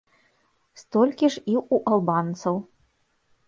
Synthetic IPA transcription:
st̪ɔlʲkʲiʐiwuʔɐlˠbant̪sɐw

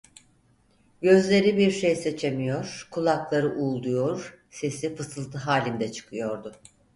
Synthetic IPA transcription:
ɟø̞zlʲe̞ɾibiɾʃe̞jset͡ʃʰe̞mijo̞ɾ̥kʰulˠaklˠaɾɯʔuːlˠd̪ujo̞ɾ | se̞sifɯsɯlˠt̪ʰɯɦaːlʲind̪ɛt͡ʃʰɯ̥kʰɯjo̞ɾd̪ʊ

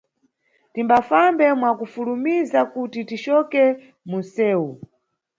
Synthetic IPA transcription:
timbafambɛmwakufulumizakutitit͡ʃɔkɛ | munsɛːwu

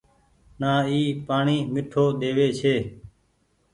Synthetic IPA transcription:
naːiːpaːɳiːmɪʈʰoːɗ̪eːʋeːt͡ʃʰeː

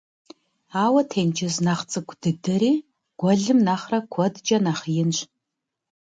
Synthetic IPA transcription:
aːwɐtʰeːnd͡ʒɪznaχt͡sʼɨɡʷʰʼdɨdɐɾiː | ɡ̥ʷɔɮɨmnaːχrɐkʷʰɔdd͡ʒʼɐnaːχjɪnɕ

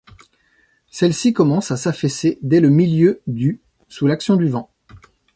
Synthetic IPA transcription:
sɛlsikɔmɑ̃sasafɛsed̪ɛləmiljød̪y | sulaksjɔ̃d̪yvɑ̃

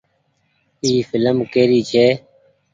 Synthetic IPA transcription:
iːfɪləmkeːɾiːt͡ʃʰeː

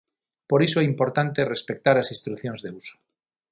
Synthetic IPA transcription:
poɾisoeimpo̞ɾt̪ant̪erespek̚t̪aɾasĩst̪ɾuθjonzðeuso̥

